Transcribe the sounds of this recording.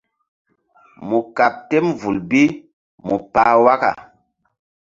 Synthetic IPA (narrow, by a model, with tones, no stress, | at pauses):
mu˨ka˨p̚te˦mvu˨lbi˦ | mu˨paː˨wa˦ka̰˨